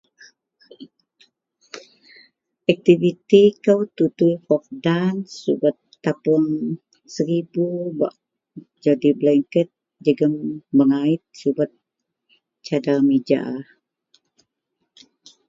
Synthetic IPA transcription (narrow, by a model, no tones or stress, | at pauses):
ak̚t̪ivit̪ikəwt̪ut̪ujhɔk̚dansṵbət̪ːapəŋ | səɾibuba̰ʔ | d͡ʒadiblɛŋkət̪̚ | d͡ʒəɡəmbəŋait̪̚subət̪̚ | t͡ʃadalmid͡ʒa̰